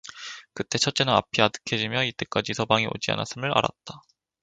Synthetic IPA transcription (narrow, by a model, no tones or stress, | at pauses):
kɯt͈e̞t͡ɕʰʌt̚t͡ɕ͈e̞nɯna̰pʰiadɯ̥kʰed͡ʑimjʌit͈e̞k͈ad͡ʑisʰʌbaŋio̰d͡ʑia̰na̰s͈ɯmɯɾa̰ɾa̰t̚t͈a